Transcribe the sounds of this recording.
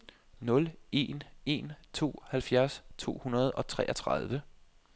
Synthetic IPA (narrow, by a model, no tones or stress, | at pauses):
nɔ̽le̝ne̝nt͡sʰo̝̰ːhælfjæɐst͡sʰo̝̰ːhunɐð̞ˠɒ̽t͡sʰʁɛ̰ːɐt͡sʰʁɑð̞ˠʋə